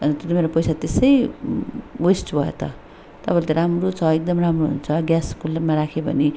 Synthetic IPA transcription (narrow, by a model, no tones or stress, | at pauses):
ʌnt̪imeɾopʌjsat̪esʌj | wesʈbʱʌḛt̪ʌ̰ | t̪ʌpalt̪eɾamrot͡sʰʌek̚d̪ʌmɾamroɦṵnt͡sʰʌɡjaskulamaɾakʰebʱʌ̰ni